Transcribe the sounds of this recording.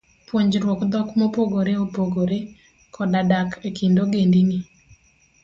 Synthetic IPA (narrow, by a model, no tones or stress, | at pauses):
pwoɲd͡ʒɾwokd̪ɔkmopoɡoɾeopoɡoɾe | kʰɔdadakʰekindoɡendini